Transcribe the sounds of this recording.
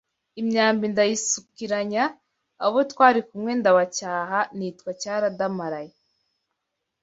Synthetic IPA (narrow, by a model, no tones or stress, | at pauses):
imɲaːmbindajisukiɾaɲaː | βotwaːɾikumŋe̞ndaβacaːɦanitkwacaːɾadamaɾaje